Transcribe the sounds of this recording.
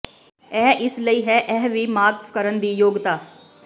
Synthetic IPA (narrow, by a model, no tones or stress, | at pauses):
ɛːʔɪsləiɦɛʔɛɦʋimaːɡkɐɾənd̪iːjoːɡt̪aː